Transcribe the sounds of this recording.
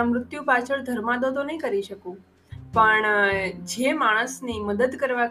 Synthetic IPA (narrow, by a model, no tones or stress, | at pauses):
əmɾʊt̪jũpat͡ʃʰəɭd̪ʱəɾmãd̪od̪onəɦĩkəɾiʃəkũ | pəɳd͡ʒemaɽ̃əsniməd̪əd̪kəɾʋa